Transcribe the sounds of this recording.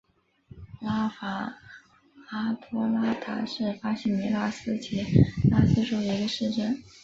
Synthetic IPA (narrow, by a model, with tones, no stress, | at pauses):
la˥fa˧˥ | a˥t̪ʰɔ˥la˥t̪ʰa̰˧˥ʂɻ̩˥˩fa˥ɕi˥˩ni˧˥la˥sɹ̩˥t͡ɕʰi˧˥la˥sɹ̩˥˧ʂo˥˩ʊ˧i˧˥ɡə˧ʂɻ̩˥˧ʈ͡ʂə˥˩n